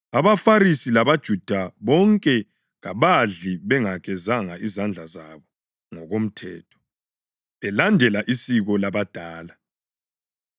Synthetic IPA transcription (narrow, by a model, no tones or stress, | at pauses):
aβafaɾisilaβad̥ʒ̥ʱud̥ʱaβɔŋkʼɛ | ɣa̰βaɮiβɛŋaɣɛzaŋaʔizand͡ɮʱazaβɔ | ŋɔɣom̩tʰɛ̰ːtʰɔ̥ | βɛlandʱɛlaʔisiɣɔlaβad̥ʱaːla